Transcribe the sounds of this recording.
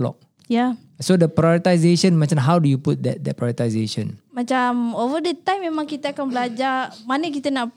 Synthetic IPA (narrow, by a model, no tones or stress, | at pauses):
lɔ̰k̚ | ja | sodəpɾajɔɾit̪ajzeʃə̃nmat͡ʃãnɦawdujuput̚dɛ̰t̚dɛt̚pɹajɔɾit̪azeʃə̰̃nmat͡ʃamovədɛt̪ãjmːemãŋkit̪əakanbəlad͡ʒamanəkit̪ənaʔ